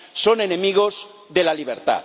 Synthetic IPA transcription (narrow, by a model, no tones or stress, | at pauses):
so̞ne̞nẽmiɣ̞oz | ðelaliβ̞eɾt̪a̰